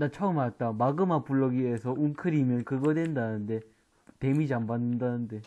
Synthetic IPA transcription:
nat͡ɕʰʌɯmaat̚t͈amaɡɯmapuɭːʌɡiesʰʌuŋkʰɯɾimjʌnkɯɡʌdwendanɯnde̞ | te̞mid͡ʑambanːɯndanɯnde̞

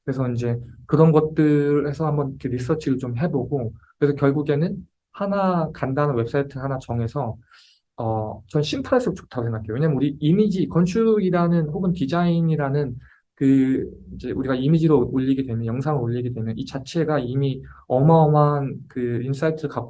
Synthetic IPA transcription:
kɯɾe̞s̬ʰʌind͡ʑe̞kɯɾʌnɡʌt̚t͈ɯɾe̞sʰʌhambʌnkʰeɾis̬͈ʌt͡ɕʰiɾɯɭt͡ɕomɦe̞boɡokɯɾe̞sʰʌkjʌɭɡuɡe̞nɯn | hanakandanɯnwe̞p̚s͈ʰaitʰɯhanat͡ɕʌŋe̞sʰʌ | ʌt͡ɕʌnɕʰimpʰaes͈ɯok̚t͡ɕo̥tʰaɡosʰeŋɡakʰejoweɲamɯnuɾiimid͡ʑikʌnt͡ɕʰuɡiɾanɯnɸoɡɯntid͡ʑainiɾanɯn | kɯind͡ʑe̞ʔuɾiɡaimid͡ʑiɾooʎːiɡedwe̞mjʌnjʌŋsʰaŋɯɾoʎːiɡe̞dwe̞mjʌnit͡ɕat͡ɕʰe̞ɡaimiʌmaʌmankɯins͈aitʰɯɾɯɭkak

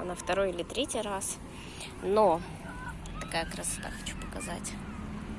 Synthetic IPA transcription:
nəft̪ɐɾo̞jɪlʲɪt̪ɾʲetʲijɾas | no | t̪ɐkajəkɾəsɐ̥t̪a̰xɐt͡ɕu̥pəkɐza̰tʲ

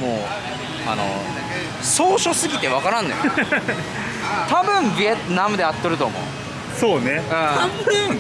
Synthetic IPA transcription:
moː | a̰no̞̰ | soːɕo̞sɨɡʲit̪e̞βakaɾãnːoj | t̪abɯ̃mbɯet̪namɯd̪eat̪ːoɾɯ̟t̪oːmo̰ɯ | soːneɯ̟̃aɯ̃

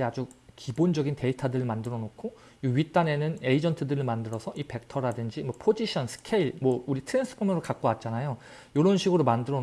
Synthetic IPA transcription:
iad͡ʑukibond͡ʑʌɡinte̞itʰadɯɾɯɭmandɯɾʌnokʰo | iɥit͈ane̞nɯne̞id͡ʑʌntʰɯdɯɾɯɭmandɯɾʌsʰʌʔipe̞k̚tʰʌɾadɯnd͡ʑimwʌpʰod͡ʑiɕʰʌnsʰɯ̥kʰeiɭmwʌuɾitʰɯɾe̞ns͈ʰɯ̥pʰomʌnoɭkak̚k͈owat̚t͡ɕ͈anajo | joɾʌnɕʰiɡɯɾomandɯɾʌ

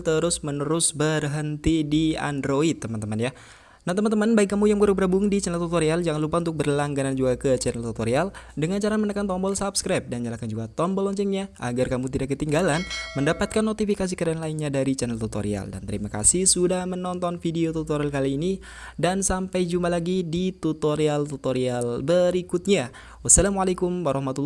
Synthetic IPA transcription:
t̪əɾʊsmənəɾʊsbərɦənt̪idia̰ndɾoit̪̚ːəmant̪əmanja | nat̪əmant̪əmanbaɪk̚ːamujaŋməɾuk̚bəɾabuŋdit͡ʃɛnɛlt̪ut̪oɾiald͡ʒaŋanlupaunt̪ʊk̚bərlaŋɡanand͡ʒuɡakət͡ʃɛnəlt̪ut̪oɾialdəŋant͡ʃaɾamənəkant̪ɔmbɔlsapskɾap̚danɲalakand͡ʒuɡat̪ɔmbɔlɔɲt͡ʃɛŋɲaʔa̰ɡarkamut̪̬idakːət̪iŋɡalanməndapat̪̚kanːot̪ifikas̬ikaɾaanlainɲadaɾit͡ʃɛnɛlt̪ut̪o̰ɾḭa̰lda̰nt̪əɾimaka̰sihsudahmənɔnt̪ɔnfideot̪ut̪oɾialkaliːni | dansampajd͡ʒumpalaɡidit̪ut̪oɾialt̪ut̪oɾialbəɾikut̪̚ɲa | wasalamwalekumwaɾɔhmat̪ulː

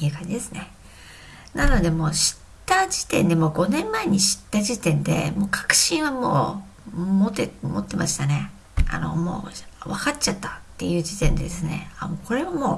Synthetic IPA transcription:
iɯ̟kãɲ̟d͡ʑid̪esɨne | nano̞d̪e̞mo̞ːɕi̥ | tt̪ːad͡ʑi̥t̪ẽ̞̰nd̪e̞mo̞ːɡo̞nẽ̞mːaeɲ̟iɕi̥t̪ːaʑit̪ẽ̞nd̪e̞̰mo̞ːkʰḁkɯ̟̥ɕĩɰ̃βamo̰ː | mot̪emo̞t̪ːe̞mʔaɕi̥t̪ane̞ | a̰no̞̰mo̰ːβakatt͡ɕat̪ːḁt̪ːe̞jɯ̟ːd͡ʑit̪ẽ̞nd̪e̞d̪esɨne̞̰amoko̞ɾe̞βamoː

